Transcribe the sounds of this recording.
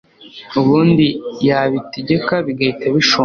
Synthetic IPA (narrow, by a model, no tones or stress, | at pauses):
uβuːndijaβiteɟe̞kaβiɡaitaβiʃu